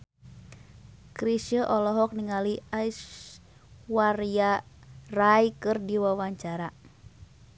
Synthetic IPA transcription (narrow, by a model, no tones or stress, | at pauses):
kɾisəʔɔlɔɦɔk̚niŋaliajs | wariarajkɨrdiwawaɲt͡ʃaɾa